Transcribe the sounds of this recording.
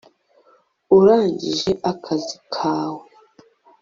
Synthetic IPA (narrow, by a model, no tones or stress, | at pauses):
uɾaːɲɟḭʒe̞ʔakʰazikʰaːwe